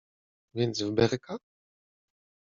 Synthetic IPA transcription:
vʲjɛnd̪zvbɛɾka

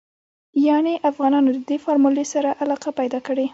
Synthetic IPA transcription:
jɑneʔafɣɑnɑnod̪əd̪efɑɾmulesaɾaʔalɑqapajd̪ɑkəɽe

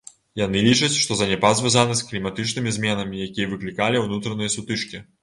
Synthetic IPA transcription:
janɨlʲit͡ʂɐt͡sʲʂt̪ɔzɐnʲɛpazʲvʲazanɨsklʲimat̪ɨt͡ʂnɨmʲizʲmʲɛnɐmʲijakʲijɐvɨklʲikalʲiwnut̪ɾɐnɨjɐsut̪ɨʂkʲi

